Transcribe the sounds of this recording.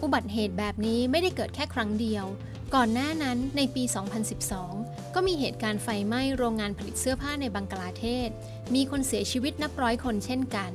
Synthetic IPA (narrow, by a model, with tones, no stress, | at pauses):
ʔu˧˩ba˨˩t̪̚ɦeː˨˩t̪̚bɛː˨˩p̚niː˦˥ma˥˩jda˥˩jkɤː˨˩t̪̚kʰɛː˥˩kʰɾa˦˥ŋdi˧əw | kɔː˨˩nːaː˥˩na˦˥nːa˧jpiː˧sɔː˩˦ŋpʰa˧nsi˨˩p̚sɔː˩˦ŋ | kɔː˥˩miː˧ɦeː˨˩t̪̚kaː˧nfa˧jma˥˩jɾoː˧ŋːaː˧npʰa˧li˨˩t̪̚sɯ˥˩ɐpʰaː˥˩na˧jbaː˧ŋklaː˧t̪ʰeː˥˩t̪̚ | miː˧kʰo˧nsi˨˩˦ɐt͡ɕʰiː˧wi˦˥t̪̚na˦˥p̚ɾɔː˦˥jkʰo˧nt͡ɕʰe˥˩nka˧n